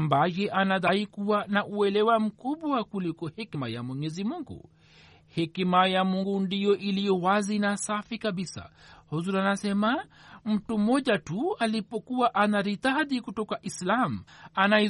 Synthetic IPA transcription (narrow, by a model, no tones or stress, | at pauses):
ambajɛʔanaðaikuwanaʔuɛlɛwam̩kuɓwakulikɔhɛkimaja̰mwɛɲɛzimuŋɡṵ | hɛkimajamuŋɡundijɔʔilijɔwazinasafikaɓisa̰hɔzuɾanasɛma | m̩tum̩ɔʄatualipɔkuwaʔanaɾitaðikutɔkaʔislam̩anaɛ